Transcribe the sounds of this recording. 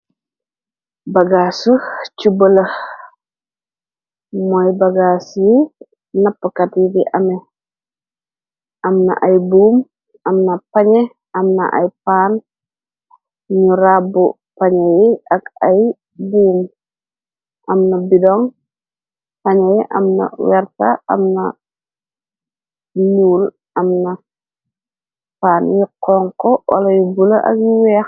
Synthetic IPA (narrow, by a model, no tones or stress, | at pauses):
bɐɡasut͡ʃubələh | mɔjbɐɡaːsji | nɐpːəkɐtjidiʔɐmɛ | ʔɐmnɐ̰ʔɐjbuːm | ɐmnɐpɐɲɛ | ɐmnɐ̰ʔɐ̰jpaːn | ɲuɾabu | paɲɛjiɐkɐj | buːm | ʔɐmnɐbidɔŋ | pɐɲɛjʔɐ̰mnɐ̰wɛɾtaɐ̰mnɐ | nuːl | ʔɐmnɐ | paːnjiqɔːŋkɔwʔa̰lɐjubulɐʔɐ̰kjiwɛːx